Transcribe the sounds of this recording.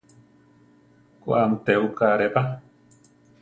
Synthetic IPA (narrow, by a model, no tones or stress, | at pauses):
kʷamt̪eukaɾepa